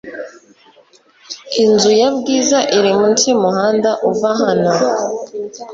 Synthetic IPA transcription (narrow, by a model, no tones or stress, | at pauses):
inzujabɡiːzaʔiɾimuntimuhaːndaʔuvaɦano